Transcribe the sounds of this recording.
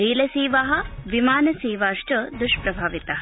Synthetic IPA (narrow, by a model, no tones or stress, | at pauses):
ɾiːlɐsiːʋɐɦɐ̆ʋimaːnɐsiːʋaːʂʈɐd̪uʃpɾɐbʱaːʋit̪ɐɦɐ